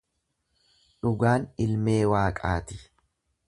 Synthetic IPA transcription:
ᶑʊɡaːnɪlme̞ːwaːkʼa̰ːt̪ɪ̥

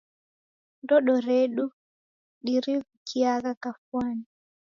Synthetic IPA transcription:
ndɔɗɔɾeɗu | ɗiɾikukʰijakakafwani

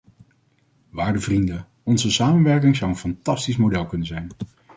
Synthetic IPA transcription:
ʋaːɹdəvrində | ɔnzəsaːmənʋɛɹk̬ɪŋzʌwənfɑntɑstismodɛlˠkɵnənzɛjn

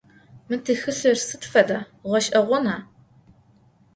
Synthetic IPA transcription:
mɨtʰɨxɨɬɨrsɨtfɐdɐ | ʁʷɐʃʼʔɐʁʷɔnaː

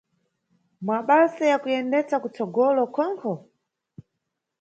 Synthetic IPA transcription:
maɓasajakujɛndɛt͡sakut͡sɔɡɔlɔkʰɔŋkʰɔ

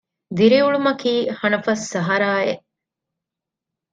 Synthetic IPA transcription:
d̪iɾiuɭumɐkiːhɐnɐfɐsːɐɦɐɾaːeʔ

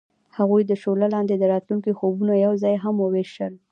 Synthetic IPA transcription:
haɣujd̪əʃolalɑnd̪ed̪əɾɑt̪luŋkixobunajawzɑjɦamwəweʃəl

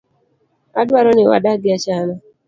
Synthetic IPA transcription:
adwaɾɔnɪwa̰daɡɪat͡ʃanɔ

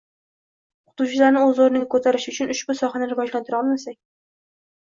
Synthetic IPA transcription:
qʰʊ̥t̪ut͡ʃʰɪlaɾnɪɵzoɾɪnɪkʰɵt̪ʰaɾɪʃʊt͡ʃʰʊnʊʃbʊsɒχanɪɾɪvɒd͡ʒlant̪ʰʊɾɒlˠmasak̚ʲ

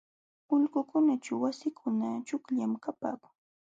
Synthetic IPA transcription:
ʊʎɢʊkʊnat͡ʃawasɪkʰʊnat͡ʃʊkʎamkapa̰ːkʊŋ

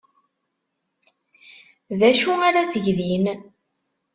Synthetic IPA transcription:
ðæʃuaɾaθəʝðin

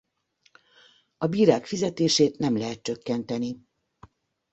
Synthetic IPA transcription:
ɒbiːɾaːkfizɛt̪eːʃeːt̪nɛmlɛɦɛt̪̚t͡ʃø̞kːɛnt̪ɛni

